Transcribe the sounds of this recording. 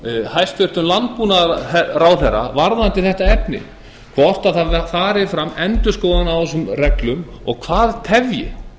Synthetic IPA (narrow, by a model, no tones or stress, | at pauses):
hajst̪fʏr̥t̪ʏmlant̪̚punaɛɾaːwlɛrːa̰vaɾðant̪ɪθɛht̪aɛpnɪ̰ | kʰvɔr̥t̪aðθaðfaːɾɪfɾamːɛnt̪ʏskoːwðanaɛs̬ʏmrɛklʏmɔ̰ɣkʰvaːðt̪ʰɛvjɪ̰